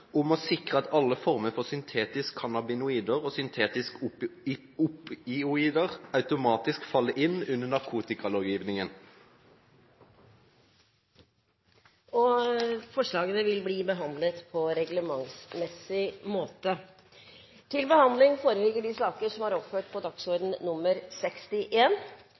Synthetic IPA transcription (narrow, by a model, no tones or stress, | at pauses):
ʊmɔsɪkʁəɑt̪ɑlːəfɔʁməfɔʁsʏnt̪ʰeːt̪ɪskʰːɑnɑbɪnʊiːd̪əʁoːsʏnt̪ʰeːt̪ɪsk | ʊpɪʊiːd̪əʁɑʉt̪ʊmɑːt̪ɪskfɑlːəʔɪnʉnːənɑʁkʰuːt̪ɪkɑloːɡjiːʋnɪŋən | ɔfɔʂɭɑːɡənəʋɪlbliːbəɦɑnd̪lət̪pʰɔɾɛɡləmɑŋsmɛsːɪmoːt̪ə | t̪ʰɪlbəhɑnd̪lɪŋfoːɾəlɪɡəɖɪsɑːkəʂɔmhɑɾɔpføːʈ̚pʰɔd̪ɑksɔɾd̪n̩nʊməɾsɛkst̪ɪʔeːn